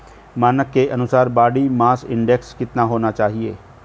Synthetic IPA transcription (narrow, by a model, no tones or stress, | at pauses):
maːnəkːeʔɐnʊsaːɾbaːɽimaːsɪ̰̃ɳɖɛkskɪt̪naɦoːnat͡ʃaːɦieː